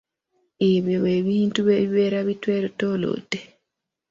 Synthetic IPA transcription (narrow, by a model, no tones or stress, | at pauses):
eβeweːβiːntuβeββeɾaβitweːɾotolo̰tːe